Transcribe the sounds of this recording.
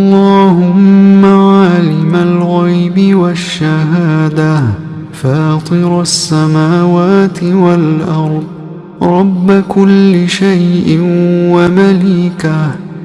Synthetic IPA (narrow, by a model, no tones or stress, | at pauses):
ʔɑlˤːɑːhʊmːaʕalɪmalɣajbɪwaʃːaɦaːd̪a | faːt̪ˤɨɾasːamaːwaːt̪ɪwalʔɑɾˤd̪ˤ | ɾˤɑbːakʊlːɪʃajʔɪwamaliːka